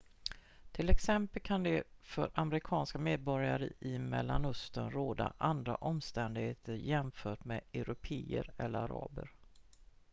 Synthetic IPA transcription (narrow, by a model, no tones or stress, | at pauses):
t̪ʰɪlɛksɛmpəlkʰand̪ɛfœɾamɾɪkʰɑːnskameːd̪̚bɔɾjaɾəʔɪmɛlːanɵst̪ənɾoːd̪aʔand̪ɾa̰ʔɔmst̪ɛnd̪ɪɡheːt̪ʰəɾjɛmfœːʈmeɛɾʊpʰeːəɾɛlːəɾaɾɑ̰ːbəɾ